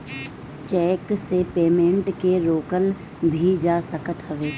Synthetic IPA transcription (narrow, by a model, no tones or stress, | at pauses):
t͡ʃɛːksepeːmẽːɳʈkeɾoːkəl | bʱid͡ʒaːsəkət̪ɦɐʋeː